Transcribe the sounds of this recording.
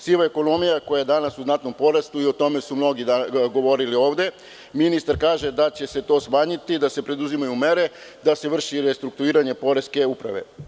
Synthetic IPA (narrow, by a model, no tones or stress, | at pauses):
siʋaeko̞no̞mijako̞jajed̪anasuznat̪no̞mpo̞ɾest̪uio̞t̪o̞me̞sumno̞ɡid̪aɡo̞ʋo̞ɾilio̞ːʋd̪e̞ | minist̪aɾkaːʒe̞d̪at͡ɕe̞se̞t̪o̞ːsmaːɲit̪id̪ase̞pɾe̞d̪uzimajume̞ɾe̞ | d̪ase̞ʋr̩ʃiɾest̪ɾuk̚t̪uiːɾaɲe̞po̞ɾe̞ske̞upɾa̰ʋe̞̰